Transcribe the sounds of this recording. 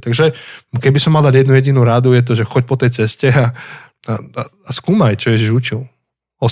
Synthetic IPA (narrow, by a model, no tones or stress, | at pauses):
t̪aɡʒɛkɛbisɔmːald̪aɟjɛd̪nujɛɟinuɾad̪ujɛt̪̬ɔʒɛxɔc̚pɔt̪ɛjt͡sɛscɛa | aaskuːmajt͡ʃɔjɛʒiʒut͡ʃil | ɔ